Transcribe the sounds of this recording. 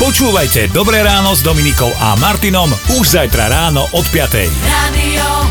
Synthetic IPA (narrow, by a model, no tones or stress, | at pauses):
pɔt͡ʃuːʋajcɛd̪ɔbɾɛːɾaːnɔzd̪ɔminikɔʊʔa̰maɾt̪inɔmuʒzajt̪ɾa̰ɾaːnɔʔɔt̪pɪat̪ɛ̰jaːd̪i